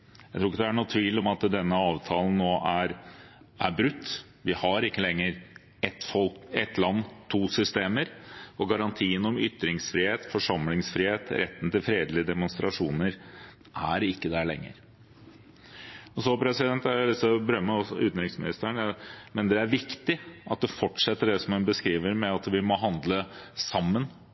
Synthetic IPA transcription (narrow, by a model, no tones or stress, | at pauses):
jæɪt̪ʰɾuːɪk̬ːəd̪æɳuːt̪ʰʋiːlɔmɑt̪d̪ɛnːəɑːʋt̪ʰɑːlən̩nːoːʔæɾ | ʔæɾbɾʉt̪ː | ʋɪhɑɾɪkːəlɛŋːəɾ | ɛt̪ːfɔlkɛt̪ːlɑnːt̪ʰuːsʏst̪eːməɾɔɡɑɾɑnt̪ʰiːənɔmʏt̪ːɾɪŋsfɾiːeːt̪fɔʂɑmlɪŋsfɾiːheːt̪ɾʔɛ̰t̪ːn̩t̪ɪlfɾeːd̪lɪəd̪ɛmʊnst̪ɾɑʂuːnəɾ | ʔæɾɪkːəd̪æɭɛ̰ŋːə̰ɾ | ɔsɔpʰɾɛsɪd̪ɛnt̪ælɪsɔbəɾœmːəɔsɔʉːt̪n̩ɾɪksmɪnɪst̪əɳmɛnd̪ɛæɾʋɪkt̪ɪʔɑt̪̚d̪ɛfɔʈʂɛt̪ːəɖɛsɔmhʉnbəskɾiːʋəɾmɛɑt̪ʋɪmoːɦɑnd̪ləsɑmːən